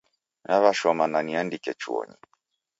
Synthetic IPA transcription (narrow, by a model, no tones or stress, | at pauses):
naβaʃɔmananiandikɛt͡ʃuɔ̰ɲi